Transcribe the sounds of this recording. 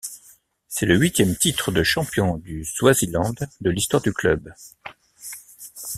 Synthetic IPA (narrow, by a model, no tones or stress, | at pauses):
sɛləɥit̪jɛmt̪it̪χəd̪əʃɑ̃pjɔ̃d̪yz̥wazilɑ̃d̪ːəlist̪waʁd̪yklœ̰b